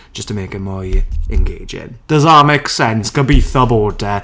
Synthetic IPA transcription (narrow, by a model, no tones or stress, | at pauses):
d̥ʒ̥ʌstʰəmeɪkɪtmɔjɛ̃nɡeɪd͡ʒɪ̰̃nd̥əzameksɛnsɡ̥əbiθɔbɔːdə